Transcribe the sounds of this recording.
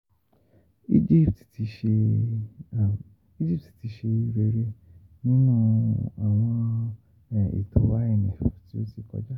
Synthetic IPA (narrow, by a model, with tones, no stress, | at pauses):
i˦d͡ʒi˦˨ptti˨˧˦ʃe˧˨ | i˦d͡ʒi˦˨p̚ti̥˨ti˨˧˦ʃe˧i˧˦ɾe˧ɾe˦ | nĩ˦nũ˦˧a˨w̃ɔ̃˧˨ | ḭ˨to˨˦wa˦ɛ˦˨nĩ˨fti˦o˦si˧kɔ̰˧˦d͡ʒa˦